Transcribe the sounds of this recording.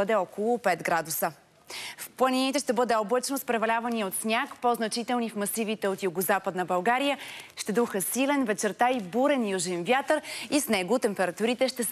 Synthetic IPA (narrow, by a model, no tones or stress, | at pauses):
ɤd̪ɛɔkolˠʊpɛt̪ɡɾad̪usə | fplˠɐninit̪ɛʃt̪ɛbɤd̪ɛoblˠət͡ʃnospɾɛvɐlʲavɐniot̪snʲakpoznɐt͡ʃit̪ɛlˠnifmɐsivit̪ɛot̪juɡozapəd̪nəbɐlˠɡaɾijəʃt̪ɛd̪uxəsilɛnvɛt͡ʃɛɾt̪aibuɾɛnjuʒɛnvjat̪əɾisnɛɡot̪ɛmpɛɾɐt̪uɾit̪ɛʃt̪ɛs